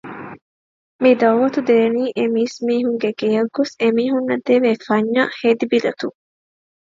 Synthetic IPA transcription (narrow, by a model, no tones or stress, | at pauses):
mid̪ɐwːɐt̪ud̪eːniːʔemiːsmiːɦuŋɡeɡejɐɡːosemiːɦunːɐd̪eʋeːfɐɲːahed̪ibilɐt̪uŋ